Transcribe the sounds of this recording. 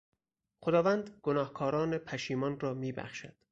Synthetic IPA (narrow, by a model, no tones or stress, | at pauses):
xod̪ɒːvænd̪ɡ̥onɒːhkʰɒːɾɒːne̞pʰæʃiːmɒnrɒːmiːbæ̰χʃæ̰d̪̥